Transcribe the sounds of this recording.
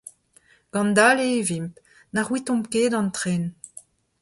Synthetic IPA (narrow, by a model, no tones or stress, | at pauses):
ɡ̥ɑ̃nd̪aleːvimp | naʁwit̪ɔ̃mkeːdɑ̃nt̪χen